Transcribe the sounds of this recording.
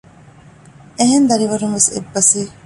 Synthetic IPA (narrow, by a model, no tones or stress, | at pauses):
eɦend̪ɐɾiʋɐɾumʋesḛbːɐsiː